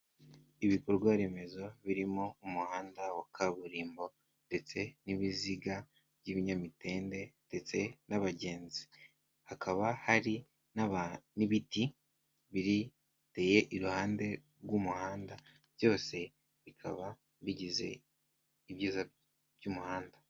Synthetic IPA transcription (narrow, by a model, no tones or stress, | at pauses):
iβiko̞ɾɡwaɾe̞me̞zo̞βiɾimo̞umuhaːndawakʰaβuɾiːmbo̞ | nde̞t͡se̞niβiziɡa | β̥ɟiβiɲamite̞ːnde̞nde̞t͡se̞naβaɟe̞ːnzi | hakʰaβahaɾi | naniβiti | βiɾi | teːje̞ʔiɾuhaːnde̞ɾɡumuhaːndḁ | jo̞ːse̞ | βikʰa̰βa | βiɟize̞̰ | iβjiːza | βjumuhaːnda